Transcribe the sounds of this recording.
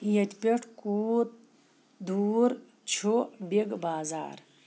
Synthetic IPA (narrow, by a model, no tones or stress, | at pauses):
ijɐt̪ʲpʲeʈʰkuːɾ̚ | d̪uːɾ | t͡ɕʰobeɡbaːza̰ːɾ